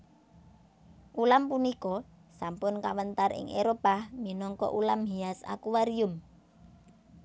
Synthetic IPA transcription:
ʔulampunikɔ | sampʊnkawənt̪arʔɪ̰ŋʔeɾopahminɔŋkɔ̰ʔulamɦiasa̰kuwaɾiʊm

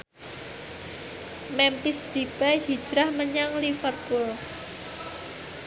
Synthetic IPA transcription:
mɛmpisd̪̥ib̥ahid̥ʒ̥ɾahməɲaŋlifərpul

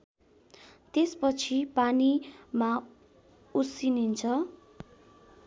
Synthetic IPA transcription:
t̪espʌt͡sʰipanima | usinint͡sʰʌ

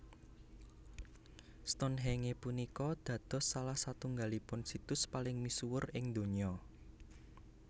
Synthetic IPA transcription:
st̪ɔnɦeŋepunikɔd̪̥ä̤d̪̥ɔ̤sːalahsat̪uŋɡalipʊnsit̪ʊspalɪŋmisuwʊrɪŋd̪oɲɔ

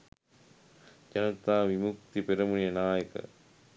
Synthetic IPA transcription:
d͡ʒɐnɐt̪aːʋimuk̚t̪ipeɾɐmunijɐnaːjɐkɐ̰

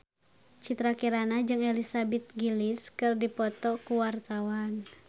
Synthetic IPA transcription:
t͡ʃit̪ɾakiɾanad͡ʒɨŋɛlisabɛt̪̚ɡiliskɨrdipɔt̪ɔkuwart̪awan

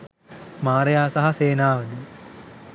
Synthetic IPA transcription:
maːɾɐjaːsɐɦaseːnaːʋəd̪ə

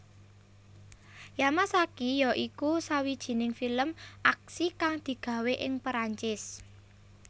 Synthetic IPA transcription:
jamasakijɔʔikusawid̥ʒ̥i̤nɪŋfiləmʔak̚sikaŋd̪̥i̤ɡ̥ä̤weʔɪŋpəɾaɲt͡ʃɪs

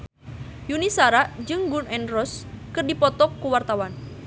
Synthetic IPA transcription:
junisaɾaʔd͡ʒɨŋɡunɛnrɔskɨrdipɔt̪ɔkːuwart̪awan

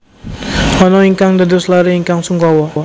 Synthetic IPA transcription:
ɔnɔiŋkaŋdaduslaɾiiŋkaŋsuŋɡawa

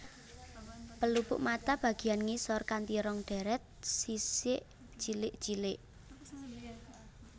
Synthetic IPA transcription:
pəlupʊ̰ʔmat̪ab̥ä̤ɡ̥i̤janŋisɔrkant̪iɾɔŋɖ̪̥ɛ̤ɾɛt̪̚sisɪʔ | t͡ʃilɪʔd̥d͡ʒ̥ilɪʔ

